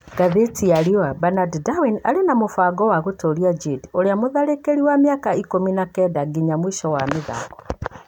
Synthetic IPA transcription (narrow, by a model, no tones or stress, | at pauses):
ɡ̥aðetiaɾiɔabanaddawinaɾenamofaːɡɔwaɣotoɾiad͡ʒedioɾeamoðaɾekeɾiwameakaikominakɛdaɡiɲamwiʃɔwameða̰ːɡɔ